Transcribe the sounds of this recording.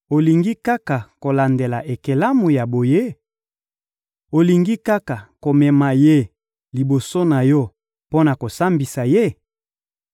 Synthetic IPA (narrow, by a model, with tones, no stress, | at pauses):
o˨li˨ŋɡi˦ka˦ka˨ko˨la˨nde˨la˨ʔe˨ke˨la˦mu˨ja˨bo˨je˦ | o˨li˨ŋɡi˦ka˦ka˨ko˨mɛ˨ma˨je˦ | li˨bo˨so˦na˨jɔ˦ | po˦na˨ko˨sa˦mbi˨sa˨je˦